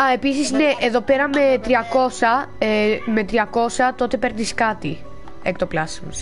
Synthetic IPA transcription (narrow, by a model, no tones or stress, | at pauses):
ɐe̞pisisne̞ʔeðo̞pe̞ɾɐme̞t̪ɾiɐko̞sɐeme̞t̪ɾiɐko̞sɐt̪o̞t̪e̞pe̞ɾniskɐt̪i | ek̚t̪oplɐsmos